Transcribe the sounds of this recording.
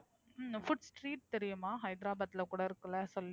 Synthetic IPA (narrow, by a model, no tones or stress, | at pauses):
fʊʈsʈɾiːʈ̚t̪ɛɾɪjʊmaːɦɐɪd̪ɾaːbaːt̪ːɪlɐkuːɽɐɪɾɯkːɐlɐsɔlː